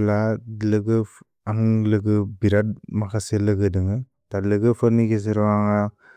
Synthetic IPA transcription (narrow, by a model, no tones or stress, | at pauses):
lalɯɡɯ | aŋlɯɡɯbiɾat̚makʰaselɯɡɯdɯŋɯ | tadlɯɡɯpʰɯɾniɡez̬ɯɾɔaŋa